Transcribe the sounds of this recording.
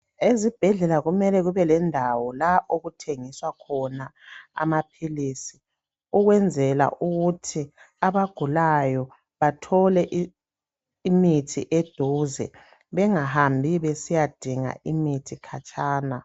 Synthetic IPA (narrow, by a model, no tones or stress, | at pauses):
ezib̥ʱɛɮɛlaɣumɛlɛɣuβɛlɛndʱawɔlaʔoɣutʰeŋiswakʰɔnaa̰mapʰilisi | uɣwɛnd͡zʱɛla̰ʔuɣutʰi | aβaɡ̥ʱulajɔ | βatʰɔlɛʔ | imitʰḭʔed̥ʱuːzɛ̰ | βɛŋaɦambʱiβesijad̥ʱiŋa̰ʔimitʰikʰat͡ʃʼaːna